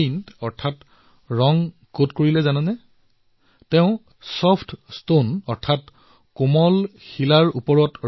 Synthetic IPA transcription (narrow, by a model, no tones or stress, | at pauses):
intɔɹtʰat | ɹɔŋ | kotkoɹilɛzanɛnɛ | teʊ̃ | sɔpʰtstonɔɹtʰat | komɔlxilaɹupɔɹɔt